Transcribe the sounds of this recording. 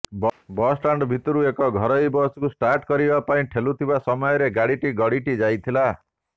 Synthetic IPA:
bbɔsʈaɳɖbʱit̪ɔɾuekɔɡʱɔɾɔjbɔskusʈaɾʈkɔɾibapaĩʈʰelut̪ʰibasɔmɔjɔɾeɡaɽiʈiɡɔɽiʈid͡ʒajt̪ʰila

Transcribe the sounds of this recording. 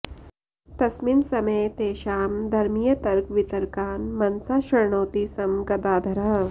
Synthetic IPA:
t̪ɐsminsɐmɐjt̪eːʃaːmd̪ʱɐɾmijɐt̪ɐɾkʋit̪ɐɾkaːnmɐnsaːʃɐɾɳoːt̪iːsɐmɡɐd̪aːd̪ʱɐɾɐɦ

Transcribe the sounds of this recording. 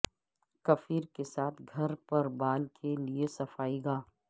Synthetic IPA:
kɐfiːɾkesaːt̪ʰɡʱɐɾpɐɾbaːlkʰeliesɐfaːiɡaː

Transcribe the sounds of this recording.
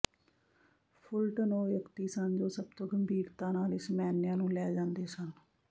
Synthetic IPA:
pʰʊlʈnoːjəkt̪iːsənd͡ʒoːsəb̚t̪õːɡəmbʱiːɾt̪ãːnaːlɪsmɛːnɪjãːnũːlɛːd͡ʒãːnd̪eːsən

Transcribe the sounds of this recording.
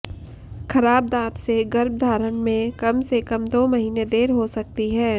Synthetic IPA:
kʰɐɾaːb̚d̪ãːt̪seɡɐɾb̚d̪ʱaːɾənmẽkɐmsekɐmd̪oːmɐɦiːned̪eːɾɦosɐk̚t̪iɦɛː

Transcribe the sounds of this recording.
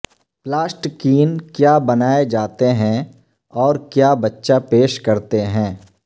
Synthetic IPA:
plaːsʈkiːnkjaːbɐnaːed͡ʒaːt̪eɦɛ̃ | ɔːɾkjaːbɐtːʃapeːʃkɐɾt̪eɦɛ̃ː

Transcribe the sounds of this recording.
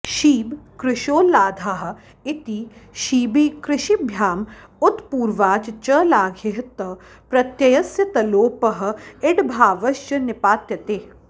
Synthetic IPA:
ʃiːbkɾɪʃoːlaːd̪ʱaɦɐ̆ | ɪt̪iʃiːbiːkɾɪʃibʱjaːmʊt̪puːɾʋaːt͡ʃt͡ʃɐlaːɡʱeɦt̪ɐ | pɾɐt̪jɐjɐsjɐt̪ɐloːpɐɦɐ̆ɪʈbʱaːʋɐʃt͡ʃɐnɪpaːt̪jɐt̪eː

